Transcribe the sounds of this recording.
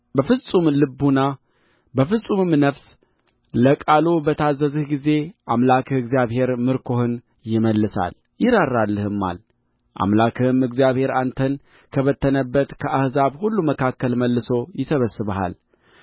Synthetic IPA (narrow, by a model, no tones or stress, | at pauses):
bəfɨsʼumlɨbuna | bəfɨsʼumɨmnəfs | ləkʼalobət̪ʰazːəzɨhɡize̞ʔamlakɨɡzijaβhe̞ɾmɨɾkʰohɨn | jɪməlːɨsa̰l | jɪɾaɾːalːɨhɨmːa̰l | ʔa̰mlakʰɨmɨɡzijaβhe̞ɾant̪ʰən | kʰəβət̪ːənəbːət̪kʰəʔahzaβhulːuməkʰakːəlməlːɨso̞jɪsəβəsːɨβəha̰l